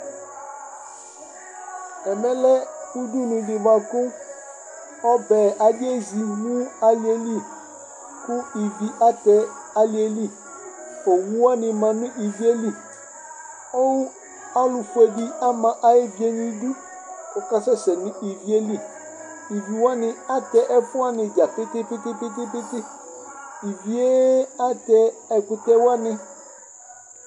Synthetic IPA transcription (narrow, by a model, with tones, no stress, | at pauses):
ɛ˨mɛ̃˦lɛ˦u˦du˦nũ˨dɪ˨ba˨kʊ˦ | ɔ˦bɛ˨ʔa˨de˦zi˨wu˦a˦li˨˦e˨li˦ | kʊ˦i˨vi˨ʔa˦t̪ɛ˨ | a˨li˨˦e˨li˦ | o˨wu˦wa˦nɪ̃˨mã˨nʊ̃˦ʔi˨vi˦e˦li˦˨ | o˦wu˦ | a˦lʊ˨fu˨˦e˨di˦a˦mã˨ʔa˦e˦vi˨e˦nĩ˦du˦ | kɔ˨ka˦sɛ˦sɛ˨nʊ̃˦ʔi˨vi˦e˦li˦˨ | i˨vi˨wa˦nɪ˦a˦tɛ˦ʔɛ˦fʊ˦a˦nɪ˨d͡ʒa˨pɪ˦tɪ˦pɪ˦tɪ˦pɪ˦pɪ˦pɪ˦tɪ˦ | i˨vi˨˦e˦a˦tɛ˦ɛ˨kʊ˦tɛ˦wa˦nɪ̃˦